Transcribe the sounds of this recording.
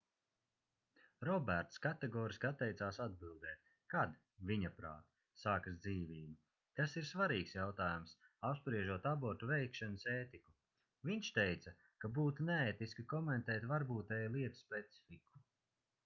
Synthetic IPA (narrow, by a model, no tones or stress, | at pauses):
ɾɔbʲæɾt̪skat̪ɛɡɔːɾiskat̪ːɛjt̪saːsad̪̚bilˠd̪ɛːt̪̚ | kad̪ | viɲapɾa̰ːt̪ | saːkasd̪ziːviːbu | t̪asiɾsvaɾiːksjawt̪aːjumsapspɾiɛʒuɔt̪abɔɾt̪uvɛjkʃɛnɐseːt̪iku | viɲʲʃt̪ɛjt̪sɐ | kabuːt̪unɛɛːt̪iskikɔmɛnt̪ɛːt̪vaɾbuːt̪ɛjajlˠiɛt̪u̥spʲɛt̪si̥fiku̥